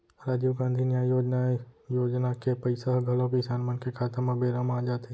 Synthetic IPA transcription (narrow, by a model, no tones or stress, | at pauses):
ɾaːd͡ʒiʋɡãːnd̪ʱinjaːjoːd͡ʒnajoːd͡ʒnakepəɪsaɦɡʱəlõkisaːnmənkekʰaːt̪əɾmẽbeːɾəmaːd͡ʒaːt̪ʰe